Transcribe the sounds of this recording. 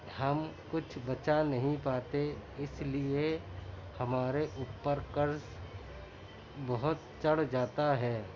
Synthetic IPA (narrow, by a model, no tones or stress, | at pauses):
hɐmkʊt͡ʃʰbɐt͡ʃanɐɦĩpaːt̪eɪslie | hɐmaːɾeʔuːpːəɾkɐɾs | bɐɦʊt̪t͡ʃɐɽd͡ʒaːt̪aɦɛː